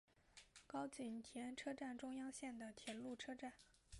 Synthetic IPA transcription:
kɑ˥ʊt͡ɕy˨˩nt̪ʰjɛ˧˥nʈ͡ʂʰɤ˥ʈ͡ʂa˥˩nʈ͡ʂʊ˥ŋjɑ˥ŋɕjɛ˥˩nd̪ə˩t̪ʰjɛ˧˥nlu˥˩ʈ͡ʂʰɤ˥ʈ͡ʂa˥˩n

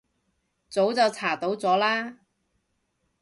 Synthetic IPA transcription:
t͡so˨˥wt͡sɐ˨wt͡sʰaː˨˩t̪o˨˥wt͡sɔː˨˥laː˥

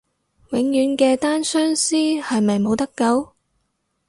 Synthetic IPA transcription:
wɪ˨˥ŋjyː˨˧˥nkɛː˧t̪aː˥nsœː˥ŋsiː˥hɐ˨jmɐ˨jmo˨˧wt̪ɐ˥kːɐ˨˥w

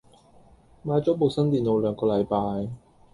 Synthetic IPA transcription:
maː˨˧jt͡sɔː˨˥po˨wsɐ˥nt̪iː˨nlo˨˧wlœː˨˧ŋkɔː˧lɐ˨˧jpaː˧j

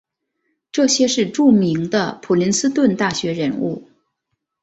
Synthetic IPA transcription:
ʈ͡ʂɤ˥˩ɕjɛ˥ʂɻ̩˥˧ʈ͡ʂu˥˩mi˧˥ŋd̪ə˧pʰu˨˩li˧˥nsɹ̩˥t̪wə˥˧nt̪a˥˩ɕɥɛ˧˥ɻə˧˥nṵ˥˩

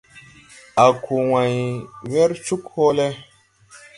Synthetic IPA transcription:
a˨kʰu˨wã˨jwɛ˦ɾt͡ʃu˦kho˦lɛ˦

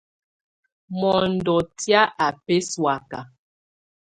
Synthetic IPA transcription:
mɔ˨n̩˨dɔ˨tja˦ʔa˨pe˦swa˨ka˨

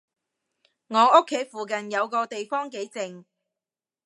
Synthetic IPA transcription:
ŋɔː˨˧ʊ˥kʰːe˨˥jfuː˨k̬ɐ˨njɐ˨˧wkɔː˧t̪e˨jfɔː˥ŋke˨˥jt͡sɪ˨ŋ

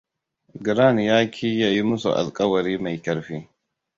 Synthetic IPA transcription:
ɡɪ˨ɾa˦˨n˨jaː˦kʲʰiː˦ja˦ji˦mʊ˦sṵ˨ʔa̰˨lkʼɐ˦wɐ˨ɾiː˦ma˨jkʲɐ˦ɾɸiː˦

